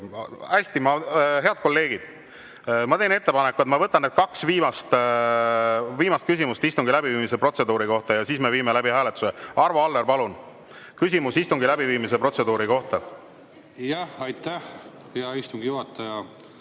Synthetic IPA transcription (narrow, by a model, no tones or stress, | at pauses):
æsʲt̪imɑɦe̞ɑd̪̥̚ko̞lːe̞ːɡ̥id̪̥ | mɑt̪e̞ːne̞t̪ːe̞pɑnekːuet̪mɑvɤt̪ːˑɑnːed̪̥̚kɑksviːmɑst̪ | viːmɑst̪̚kys̬ʲimust̪ist̪uŋɡilæbiviːmisepro̞t̪se̞d̪̥uːɾiko̞ht̪ɑjɑsiːsme̞viːmelæbiɦæːle̞t̪ːˑu̥seɑrvoɑlːeɾpɑlun | kys̬ʲimusist̪uŋɡilæbiviːmis̬e̞pro̞t̪se̞d̪uːɾiko̞ht̪ɑ | jɑhɑjt̪æh | heɑist̪uŋɡ̥ijuhɑt̪ːˑɑjɑ